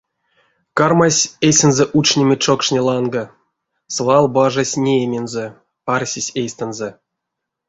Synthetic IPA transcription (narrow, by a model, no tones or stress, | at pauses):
karmasʲesʲenzɛʔut͡ʃnʲemʲet͡ʂokʂnʲelˠɑnɡa | svɑlˠbaʐasʲnʲeemʲenzə | arsʲisʲejsʲt̪ənzə